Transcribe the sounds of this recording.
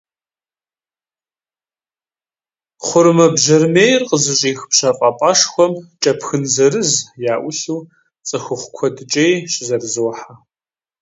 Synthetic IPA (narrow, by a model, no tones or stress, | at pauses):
χʷʊɾmɐbʒɐrmeːjrqʼəzɨɕʼiːxpɕɐqʼɐpʼaʂxʷɔmt͡ʃʼɐpxɨnzɐrɨzjaːʔʷʊɬuː | t͡sʼɨxʊχʷkʷʰɔdɨt͡ʃʼejɕʼɪzɐrzɨwħa